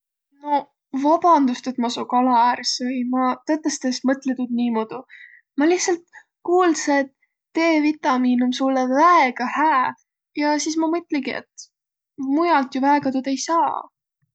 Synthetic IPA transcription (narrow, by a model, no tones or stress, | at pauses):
no | vɑb̥ɑnd̪ust̪et̪mɑsokɑlɑæːrsɤjmɑt̪ɤt̪ːˑest̪esmɤt̪ˑlet̪ud̪̥̚niːmod̪̥u | mɑlihtsɑlt̪ | kuːlset̪ | t̪ːe̞ːvit̪ːˑɑmiːnumsulːevæeɡ̥ɑhæː | jɑsiːsmɑmɤt̪ːˑleɡiḛt̪ | mujɑlt̪juvæeɡ̥ɑt̪ud̪e̞jsɑː